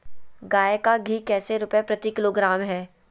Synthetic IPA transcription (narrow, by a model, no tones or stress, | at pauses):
ɡaːjekaɡʱiːkɛːseɾʊpepɾɐt̪ikɪloːɡɾaːmɦɛː